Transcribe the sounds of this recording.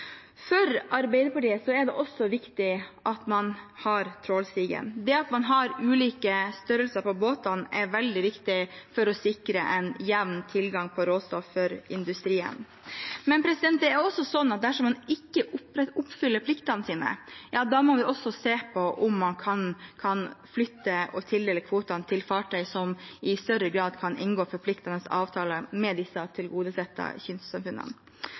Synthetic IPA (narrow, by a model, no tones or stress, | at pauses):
fœɾɑɾbeɪd̪əɾpɑʈiːəsɔɛɖ̪ɛʔɔsːɔʋɪkt̪ɪʔɑt̪mɑnhɑɾt̪ʰɾoːlst̪iːɡə̰nd̪ɛɑt̪mɑnɦɑɾʉːliːkəst̪œɾəlsəɾpʰɔboːt̪ɑnɛɾʋɛld̪ɪʋɪkt̪ɪfɔɾɔsɪkɾəʔɛnjæʋnt̪ʰɪlɡɑŋpʰɔɾoːst̪ɔfːœɾɪnd̪ʉst̪ɾiːə̰n | mɛnpʰɾɛsɪd̪ɛnt̪̚d̪ɛæɾʊɔsːɔsɔnːɑt̪̚d̪æʂɔmɑnɪkːəʔʊʊpːfʏlːəɾpʰlɪkt̪ɑnəsiːnə̰jɑːd̪ɑmɔʋɪʔɔsːɔseːpʰɔʔʊmːɑnkʰɑnkʰɑnflʏt̪ːəɔt̪ʰɪld̪ɛːləkʰʋuːt̪ɑnt̪ʰɪlfɑːʈʰœʏsɔmɪst̪œɾəɡɾɑːd̪kʰɑnʔɪnɡoːfɔɾpʰlɪkt̪ɑnəsɑ̰ːʋt̪ʰɑːləmɛd̪ɪsːɑt̪ʰɪlɡuːd̪əsɛt̪ːɑ̰çʏnssɑmfʉnːə̰n